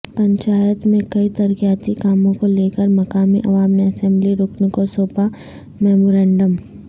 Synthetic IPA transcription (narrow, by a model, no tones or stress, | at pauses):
pɐ̃ɲt͡ʃaːjət̪mẽkɐit̪ɐɾkijaːt̪ikaːmõkoleːkəɾmɐkaːmḭʔɐʋaːmneɐsɛ̃mbliɾoːknekosoːpa | mɛːmoːɾɛ̃ːɳɖəm